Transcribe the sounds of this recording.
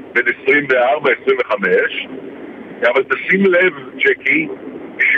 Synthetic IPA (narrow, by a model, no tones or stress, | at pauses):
benesʁimveaʁbaesʁimveχameʃ | avalt̪asimlevt͡ʃekibiʃ